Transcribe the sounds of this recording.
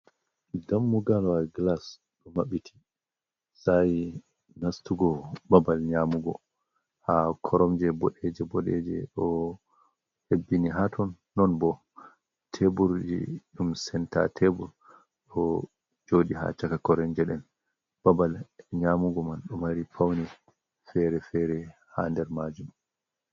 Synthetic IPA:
damːuɡalwaɡlas | ɗɔmaɓitʰi̥ | saji | nastuɡɔbabalɲamuɡɔ̰ | hakʰɔɾɔmd͡ʒɛbɔɗɛd͡ʒɛbɔɗɛ̰d͡ʒɛ̰ɗɔ | hebːiniɦatʰɔnːɔnbɔ | tʰebuɾd͡ʒḭɗumsɛnta̰tʰebuɾ | ɗɔ | d͡ʒoːɗiɦa̰t͡ʃakakɔɾɛnd͡ʒɛɗɛn | b̥abalɲaːmuɡɔmanɗɔmaɾipʰawni | fɛɾɛfɛɾɛ | handɛɾmad͡ʒum

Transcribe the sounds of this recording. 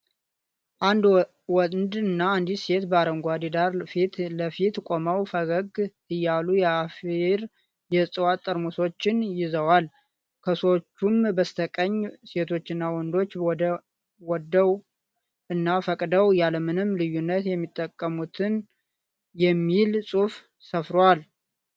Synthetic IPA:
ʔand̪ | wɔnd̪ɨnːaɨnd̪ise̞t̪bəaɾəŋɡʷad̪id̪aɾfit̪ləfit̪kʼo̞məwfəɡəɡ | ɨjːalujɛafiɾ | jɛsʼɨwat̪ʼːəɾmuso̞t͡ʃːɪnjɪzəwal | kʰəsot͡ʃːumbəst̪ʰəkʼəɲːse̞t̪ʰo̞t͡ʃːɪnːawɔnd̪o̞t͡ʃːɔd̪ə | wɔd̪ːəw | ʔɨnːafəkʼd̪əwjaləmɨnɨmːlɨjːunːət̪jɛmːit̪ʼːəkʼːəmut̪ʰɨn | jɛmːilsʼuf | səfɾwal

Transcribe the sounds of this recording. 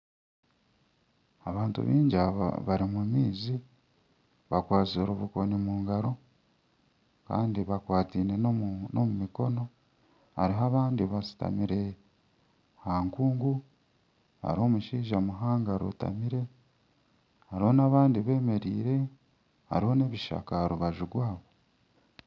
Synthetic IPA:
aβaːntṵβḭːɲɟaβa̰βaɾimumiːzi | βakwaːzoɾuβuko̞nimuːŋɡaɾo̞ | ka̰ːndiβakwaːtiːne̞nnomumiko̞no̞ | a̰ɾiɦaβaːndiβasi̥ta̰miɾe̞ | haŋkuːŋɡu | a̰ɾio̞muʃiːʒamuɦaːŋɡaɾo̰ta̰miɾe̞ | haɾiho̞naβaːndiβe̞ːme̞ɾiːɾe̞ | ha̰ɾiho̞ne̞βiʃa̰kahaɾuβaʒuɡwaːβo̞

